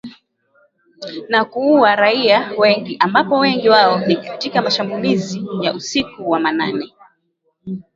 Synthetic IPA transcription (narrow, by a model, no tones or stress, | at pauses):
nakuuaɾaiawɛŋɡiʔambapɔwɛŋɡiwaɔnikatikamaʃambulizijaʔusikuwamana̰nɛ